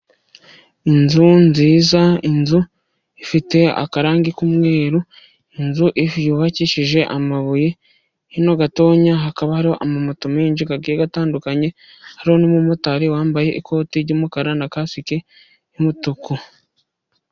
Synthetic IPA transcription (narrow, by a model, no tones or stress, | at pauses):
inzunziːzainzu | ifite̞a̰kaɾaːŋɡikumŋe̞ːɾu | inzuʔifjuːβaciʃiʒe̞ʔamaβuje | hino̞ɡato̞ːɲaɦakaβahaɾiho̞ʔamamotumeiɲd͡ʒuɡaɡijeɡataːndukaɲe̞ | haɾiho̞nimumotaɾiwaːmbaje̞ʔikʰo̞ːtiɾɟoːmukaɾanakasike | imutuku